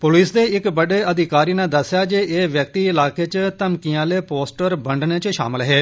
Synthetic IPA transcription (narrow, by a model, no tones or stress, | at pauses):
pʊliːsd̪eːɪkbəɖeːəd̪ɪkaːɾiːnãd̪əsːjaːd͡ʒeːeːʋjək̚t̪iːɪlaːkeːt͡ʃt̪əmkiãːleːpoːsʈəɾbəɳɖneːt͡ʃʃa̰ːmɪlɦɛː